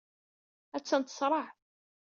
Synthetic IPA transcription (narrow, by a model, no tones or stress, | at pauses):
æt͡sːənt̪ə̥sˤɾˤɑħ